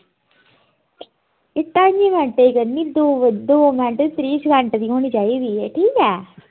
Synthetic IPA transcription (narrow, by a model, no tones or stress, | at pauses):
ɪt̪ːãːɲd͡ʒiːmɛ̃ɳʈeːikəɾniːd̪oːʋd̪oːmɛ̃ɳʈːt̪ɾiːsɡə̃ɳʈd̪iːɦoːñiːt͡ʃaːiːd̪iːeʈʰiːkɛː